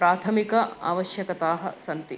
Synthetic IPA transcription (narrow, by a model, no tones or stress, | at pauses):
ɾaːt̪ʰɐmikɐa̰ːʋɐʃjɐkɐt̪aːɦɐ̰̆sɐnt̪i